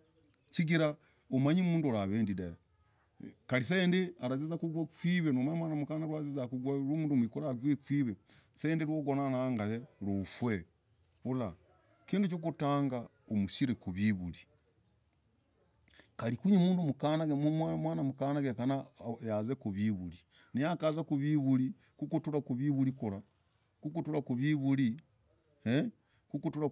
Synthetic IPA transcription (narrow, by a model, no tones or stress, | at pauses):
t͡ʃiɡiɾa | omaɲimuːnduolaβeːndidaja | kalis̬endeaɾazizakuɡwakwiːβenomaamwaːnamukanaɾwazizakuɡwaɾomuːnduomwikoɾaɡwekwiːβe | sendeɾwoːɡonanaŋɡajeɾufwe | ula | kiːndut͡ʃokutaːŋɡa | omusiɾekuβiβuli | kalikuɲemuːndumukanaɡemumwamwaːnamukanaɡekanajazekuβiβuli | nijakazakuβiβuli | kukutuɾakuβiβulikuɾa | kukutuɾakuβiβuli | he | kukutuɾa